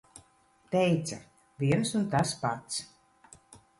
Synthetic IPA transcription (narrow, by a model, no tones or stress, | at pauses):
t̪ɛjt̪sa | vʲiɛnsunt̪aspat̪s